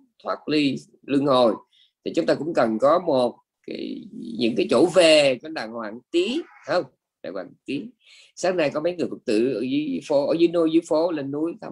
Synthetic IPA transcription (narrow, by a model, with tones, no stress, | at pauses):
t̪ʰwaː˦˥t̚li˧ | lɨ˧əŋho˨˩j | t̪ʰi˨˩t͡ɕʊ˨˦ŋ͡mt̪aː˧kʊ̰˧˥ŋ͡mkə˨˩nkɔ˨˦mo˨˩t̚ | ka̰˨˦jɲɨ̰˧˥ŋkaː˨˦jt͡ɕo̰˧˩ve˨˩kɔ˨˦ɗa̰ː˧˨˩ŋhwa̰ː˧˨ŋt̪i˨˦ | hə˧wŋ͡m | ɗa̰ː˧˨˩kwa̰ː˧˨˩ŋ˩t̪i˨˦ | saː˨˦˥ŋna˧jkɔ˨˦mə˨˦jŋɨ˨˩əjfə˨˩k̚t̪ɨ̰˧˨ʔəː˧˩zɨ˨˦fo˨˦ʔəː˧˩zɨ˨˦jno˧jzɨ˨˦jfo˨˦le˧nːu˨˦əjt̪ʰa̰˧˩